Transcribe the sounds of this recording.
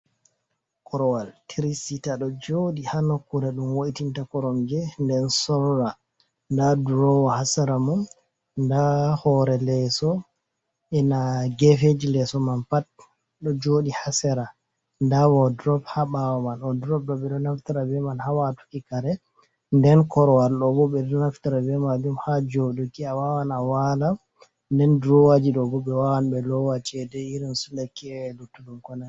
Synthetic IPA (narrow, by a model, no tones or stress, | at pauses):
kʰɔɾɔwaltʰiɾisitaɗɔd͡ʒoɗihanokːuɾɛɗumwoʔitintakɔɾɔmd͡ʒɛndɛnsɔɾːa | ndaduɾɔwahasaɾamun | ndahɔɾɛlɛsɔ | ɛnaɡɛfed͡ʒilɛsɔmanpat̚ | ɗɔd͡ʒoːɗihasɛɾa | ndawɔdɾɔphaɓawamanɔdɾɔp̚ɗɔɓɛɗɔnaftiɾabɛmanhawatu̥kikaɾɛ | ndɛnkɔɾɔwalɗɔbɔɓɛdɔnaftiɾabɛmad͡ʒumhad͡ʒoɗukiawawanawalam | ndɛndɾɔwad͡ʒiɗɔbɔbɛwawanbɛlɔwat͡ʃɛdɛiɾinsundakːɛlutːuɗumkɔna